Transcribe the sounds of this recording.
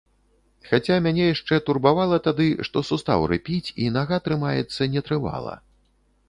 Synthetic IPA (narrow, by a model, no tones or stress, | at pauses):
xat͡sʲamʲanʲɛjaʂt͡ʂɛt̪urbavalˠɐt̪ad̪ɨʂt̪ɔsust̪a̰wɾɨ̰pʲit͡sʲinaɣat̪ɾɨmajɛ̰t̪sːɐnʲɛt̪ɾɨva̰lˠɐ̰